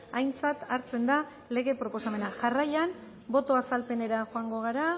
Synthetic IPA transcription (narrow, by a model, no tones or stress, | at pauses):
ajnt͡sat̪aɾt͡se̞nd̪a | le̞ɣe̞pɾo̞po̞same̞naʝarajan | bo̞t̪o̞asalpe̞ne̞ɾaʝoaŋɡo̞ɣ̞aɾa